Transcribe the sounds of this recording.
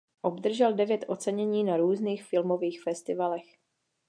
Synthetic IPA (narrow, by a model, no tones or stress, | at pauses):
ʔo̞bd̪r̩ʒɛldɛvjɛt̪ʔo̞t͡sɛɲɛɲiːnaɾuːzniːxfɪlmo̞viːxfɛst̪ɪvalɛx